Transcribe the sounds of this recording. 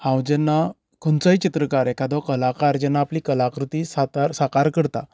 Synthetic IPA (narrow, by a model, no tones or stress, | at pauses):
hãwd͡ʑɛnːa | kʰont͡saɦit͡ɕit̪ɾəkaɾɛkʰad̪ɔkəlakaɾd͡ʑɛnːaːpliːkəlakɾut̪iːsat̪aɾsakaɾkəɽt̪a̰